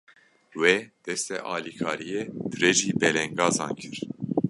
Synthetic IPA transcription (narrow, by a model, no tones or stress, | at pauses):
wed̪̥ɛst̪ɛ̰ʔɑːlikʰɑːɾijed̪̥ɨrɛʒiːbɛlɛŋɡɑːzɑ̰ːŋkʰɨɾ